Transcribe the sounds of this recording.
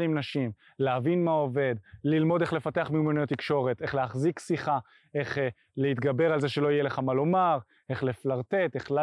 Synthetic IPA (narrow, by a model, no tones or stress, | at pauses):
imnaʃim | leavinmao̞ve̞d̪lilmo̞de̞χle̞fat̪e̞aχmiumenujot̪ikʃo̞ʁe̞t̪e̞χleaχziksiχa | e̞χ | leit̪ɡabe̞ʁalze̞ʃelo̞ijele̞χamalomaʁ | e̞χleflaʁt̪e̞t̪eχla